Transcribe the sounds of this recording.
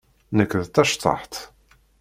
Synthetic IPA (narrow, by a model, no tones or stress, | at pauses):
nəkːðt̪æʃt̪ˤɑ̰ħt̪